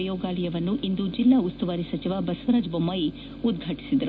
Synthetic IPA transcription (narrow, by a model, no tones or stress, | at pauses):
jɔːɡaːlɐjɐʋɐnːuʔind̪ud͡ʒilːaːust̪uʋaːɾisɐt͡ʃiʋɐbɐsɐʋɐɾaːd͡ʒbomːaːji | ud̪̚ɡʱɐʈi̥sid̪ɐɾu